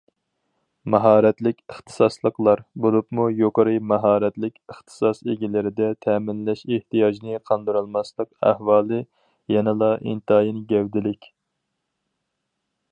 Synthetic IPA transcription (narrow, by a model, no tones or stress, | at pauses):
mɑɦɑːɾɛt̪lɪkʲəχt̪ʰɨ̥sɑslˠəqlˠɑɾbolˠupmujoqəɾɨmɑɦɑːɾɛt̪lɪkʲəχt̪ʰɨ̥sɑseɡʲilɪɾɪd̪ɛt̪ʰɛmɪnlɛʃeht̪ijɑd͡ʒnɨqʰɑnd̪ɨɾɑlˠmɑslˠəqæ̰hwɑːlˠɨ | jɛnɨlˠɑʔḭnt̪ɨɑːjinɨɡʲɛwd̪ɪlɪkʲ